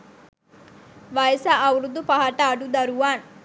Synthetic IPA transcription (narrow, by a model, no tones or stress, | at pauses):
ʋajəsaʔːwuɾud̪ːupaɦaʈaːɖud̪ɐɾuʋaːn